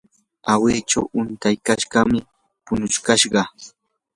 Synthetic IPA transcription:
aweːt͡ʃawʊnt̪ajkaʃɢɑmɪ | pʊnʊʃkaʃɢɑ

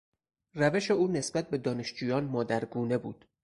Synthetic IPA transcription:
ræve̞ʃe̞uːne̞sbæt̪̚be̞d̪ɒːne̞ʃd͡ʒuːjɒːnmɒːd̪æɾɡuːne̞buːd̪̥

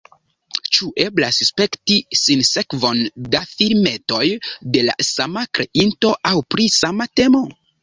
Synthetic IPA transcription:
t͡ʃuʔe̞blasspe̞ktisinse̞kvo̞ndafiɾme̞to̞jde̞la̰samakɾe̞ʔinto̞ʔawpɾisamate̞mo̞

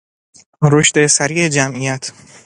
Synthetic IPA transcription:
ɾoʃt̪e̞sæɾiːed͡ʒæmʔijæt̪ʰ

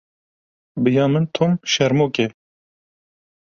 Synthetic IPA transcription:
bɨjɑːmɨnt̪ʰomʃɛɾmoːke

